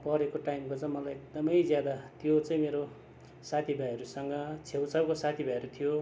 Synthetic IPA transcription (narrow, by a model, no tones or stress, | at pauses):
pʌɾekoʈajmkot͡sãmʌlajek̚d̪ʌmʌjd͡zjad̪at̪jot͡sãĩmeɾo | sat̪ʰibʱajɦʌɾusʌŋɡʌt͡sʰewt͡sʌwkosat̪ʰibʱajʌɾut̪ʰijo